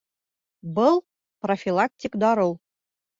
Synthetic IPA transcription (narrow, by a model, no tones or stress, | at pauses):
bɤlˠ | profʲilˠak̚tʲikd̪ɑɾɤlˠ